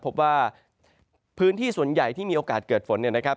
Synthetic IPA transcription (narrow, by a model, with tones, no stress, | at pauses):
pʰo˦˥p̚waː˥˩ | pʰɯː˦˥nt̪ʰiː˥˩su˨˩ənja˨˩jt̪ʰiː˥˩miː˧ʔoː˧kaː˨˩t̪̚kɤː˨˩t̪̚fo˩˦nːi˥˩əna˦˥kʰa˦˥